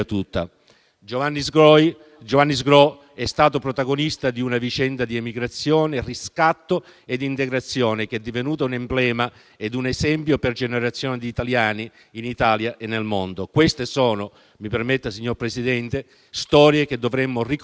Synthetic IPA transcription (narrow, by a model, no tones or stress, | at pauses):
t̪ut̪ːa̰ | d͡ʒovanːizɡɾɔj | d͡ʒovanːizɡɾɔ | ɛst̪aːt̪opɾot̪aɡonist̪ad̪iunavit͡ʃɛnd̪ad̪iemiɡɾat̪sːjɔːneriskat̪ːoed̪ːint̪eɡɾat̪sːjɔːnekɛd̪ːivenuːt̪aunempblɛːma | ed̪unezɛmpjoperd͡ʒeneɾat̪sːjɔːned̪iːt̪aljaːniː | nit̪aːljaʔenːelmond̪okwest̪esɔːno | mipermet̪ːasiɲːorpɾesid̪ɛnt̪e | st̪ɔːɾjek̟ed̪ːovɾɛmːorik